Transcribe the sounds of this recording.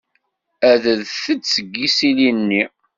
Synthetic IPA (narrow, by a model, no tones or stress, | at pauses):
æðəðθət͡sːsəɡːisilinːi